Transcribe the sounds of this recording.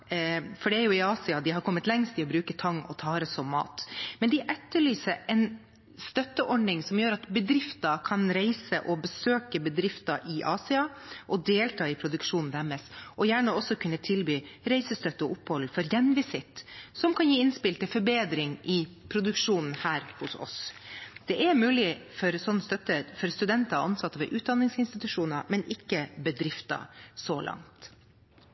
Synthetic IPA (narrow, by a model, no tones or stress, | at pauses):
fɔɖɛæɾjʊɪɑːsɪɑd̪ɪɦɑɾkʰɔmːət̪lɛŋst̪ʰɪɔbɾʉːkət̪ʰɑŋːɔ̰t̪ʰɑːɾəsɔmmɑ̰ːt̪mɛnd̪ɪʔɛt̪ːəɭyːsəɾɛn | st̪œt̪ːəʔɔɖnɪŋsɔmjøːɾɑt̪bəd̪ɾɪft̪ɑkʰɑnɾæɪsəʔɔbəsøːkəbəd̪ɾɪft̪ɑʔɪʔɑːsɪɑʔɔd̪eːlt̪ʰɑːɪpʰɾʊd̪ʉkʂuːnn̩d̪æɾmɛsʔɔjæːɳəɔsːɔkʰʉnːət̪ʰɪlbyːɾæɪsəst̪œt̪ːəɔʊpːhɔlːfɔɾjɛnʋɪsɪt̪ːsɔmkʰɑnjiːɪnspɪlt̪ɪfɔɾbeːd̪ɾɪŋʔɪ | pʰɾʊd̪ʉkʂuːnn̩hæːɾhʊsɔ̰sd̪̥ɛʔɛɾmʉːlɪfɔɾsɔnːəst̪œt̪ːəɾfɔɾst̪ʉd̪ɛnt̪ɑɑ̰nsɑt̪ːəʋɛʔʉːt̪̚d̪ɑnːɪŋsɪnst̪ɪt̪ʉʂuːnɑmɛnɪkːəbəd̪ɾɪft̪ɑ̰sɔlʔɑ̰ŋt̪